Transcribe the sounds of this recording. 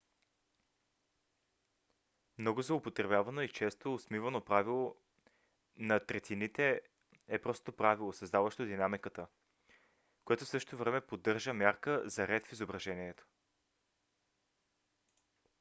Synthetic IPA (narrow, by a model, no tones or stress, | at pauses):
mnɔɡʊzoopot̪ɾɛbʲjavɐnoit͡ʃɛst̪oːsmivənopɾavilˠo | nɐt̪ɾɛt̪ʰinit̪ɛ | ɛpɾɔst̪opɾavilˠosɐzd̪avəʃt̪od̪inamikət̪ə | koɛt̪ofsɤʃt̪ovɾɛmɛpod̪ːɤɾʒəmʲjaɾkəzɐɾɛt̪fizobɾɐʒɛniɛt̪o̥